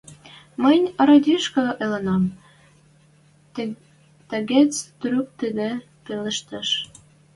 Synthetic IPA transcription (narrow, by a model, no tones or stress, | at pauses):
mənʲə̆ɾɑd̪ʲiʃkɤ̆ʔelenɑm | t̪ĕɡet͡st̪ɾyk̚t̪əd̪ĕ | pelə̆ʃt̪ə̆ʃ